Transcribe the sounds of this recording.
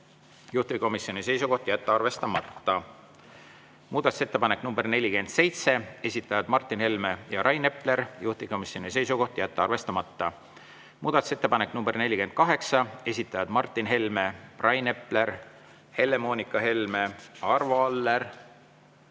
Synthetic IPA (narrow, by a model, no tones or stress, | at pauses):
juht̪iviko̞misjo̞nise̞jsuko̞ht̪jæt̪ːɑrve̞st̪ɑmɑt̪ːɑ | muːd̪̥ɑt̪u̥set̪ːe̞pɑneknumberne̞lʲːike̞nd̪̥se̞jt̪se̞e̞sʲit̪ːˑɑjɑd̪̥mɑrt̪ˑːinhe̞lme̞jɑɾʔɑjne̞ple̞ɾjuht̪iviko̞misjonis̬e̞jsuɡo̞ht̪jæt̪ːeɑrve̞st̪ɑmɑt̪ːɑ | muːd̪̥ɑt̪u̥set̪ːe̞pɑnekːnumberne̞lʲike̞nd̪̥̚kɑɦe̞ksɑe̞sʲit̪ːˑɑjɑd̪mɑrt̪ːˑinɦe̞lme̞prʔɑjne̞ple̞ɾ | he̞lːe̞mo̞ːnikːˑɑɦe̞lme̞ɑrvoɑlːeɾ